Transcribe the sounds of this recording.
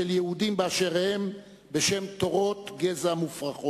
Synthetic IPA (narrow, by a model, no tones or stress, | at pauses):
eljehud̪imbeaʃeʁhem | be̞ʃe̞mt̪oʁo̞t̪ɡezamufʁaχo